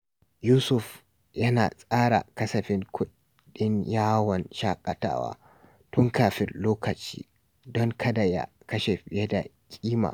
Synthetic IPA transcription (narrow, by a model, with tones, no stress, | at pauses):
juː˦sʊ˨f | jɐ˦naː˨sʼaː˦ɽa̰˨kɐ˦sɐ˨ɸɪ˦ŋkʷʰʊ˦ | ɗɪ˦ɲjaː˦wɔ˨nʃaː˦kʼɐ˨ta̰ː˦wa̰ː˦ | tʊ˦ŋkaː˨ɸɪ˦rloː˦kɐ˨t͡ʃḭː˦ | dɔ˦ŋkʰɐ˦da˨ja̰˦ | kɐ˦ʃe˨ɸɪ˨jɛ˦da˨ | kʲʼiː˦ma̰ː˨